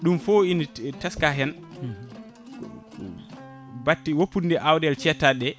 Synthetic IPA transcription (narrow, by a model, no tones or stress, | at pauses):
ɗumfoinitaskaɦɛn | batːiwopːundɛʔawdɛlt͡ʃɛtaɗːɛ